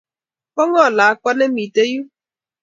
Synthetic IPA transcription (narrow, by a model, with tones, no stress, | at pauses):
pɔ˦ŋɔ˦˨la˨a˦kʷa˦ne˦mi˨te˦ju˦